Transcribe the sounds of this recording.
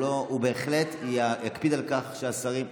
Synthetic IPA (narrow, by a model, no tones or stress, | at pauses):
oube̞ːχle̞tajakpid̪alkaχʃeasaʁim